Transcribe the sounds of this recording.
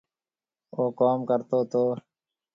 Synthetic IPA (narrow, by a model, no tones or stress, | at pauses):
oːkaːmkəɾt̪oːt̪oː